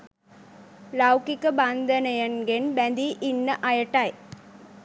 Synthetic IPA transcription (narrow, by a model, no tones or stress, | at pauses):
lawkikːɐbaːnd̪ɐnɐjɐnɡenbɛnd̪iʔɪnːɐʔɐjɐʈːaːj